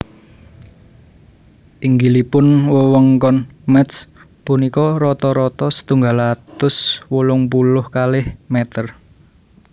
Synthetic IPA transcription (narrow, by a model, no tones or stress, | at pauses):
ʔiŋɡilipʊnwəwɔŋkɔnmɛt̪s | punikɔɾɔt̪ɔɾɔt̪ɔsə̥t̪uŋɡalat̪ʊswulʊŋpulʊhkalɪhmɛt̪ər